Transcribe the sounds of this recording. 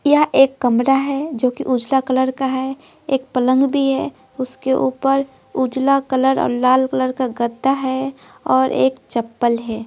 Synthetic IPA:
jɐɦeːkːɐmɾaɦɛd͡ʒoːkiʔuːd͡ʒlakələɾkaɦɛ | eːk̚pələ̃ŋɡbʱiɦɛ | ʊskeʔuːpəɾ | uːd͡ʒlakələɾɔ̰ːɾlaːlkələɾkaɡəd̪ʱːaɦɛ | ɔːɾʔḛːkt͡ʃɐpːəlɦɛː

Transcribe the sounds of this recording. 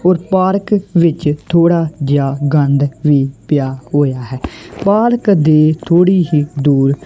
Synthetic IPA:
oːɾpaːɾkʋɪt͡ʃt̪ʰoːɽaːd͡ʒaːɡənd̪ʋiːpɪjaːɦoːjaːɦɛːpaːɾkd̪eːt̪ʰoːɽiːɦiːd̪uːɾ

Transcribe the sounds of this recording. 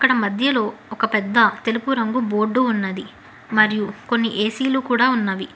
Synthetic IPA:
ɐkːɐɽɐmɐd̪ʱjɐlo̞ːɔkɐpɛd̪ːɐt̪e̞lupuɾɐŋɡubo̞ːɾɖːuunːɐd̪i | mɐɾijuko̞nːiʔeːsiːluːkuːɽaːunːaːʋi

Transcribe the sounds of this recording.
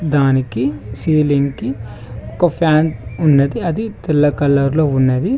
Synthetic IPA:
d̪aːnikisiːlinki | okɐpʰaːnunːɐd̪iɐd̪it̪ilːɐkɐlːɐɾloːunːɐd̪i

